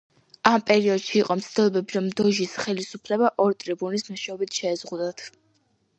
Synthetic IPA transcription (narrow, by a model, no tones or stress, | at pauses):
ampʼɛɾiɔd̪̥ʃiːqʼɔmt̪sʰt̪ʰilˠɔbɛbiɾɔmd̪ɔʒisχɛlisupʰlɛbaʔɔɾt̪ʼɾibunismɔʃɛɔbit̪ʰʃɛːzʁud̪at̪ʰ